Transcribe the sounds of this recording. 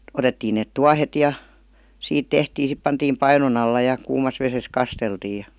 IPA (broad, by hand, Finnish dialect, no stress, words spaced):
otetːiːn neˑt tuɑhet jɑ siːt tehtiː sip pɑntiːm pɑinon ɑlːɑ jɑ kuːmɑs ʋeses kɑsteltiːj̆ jɑ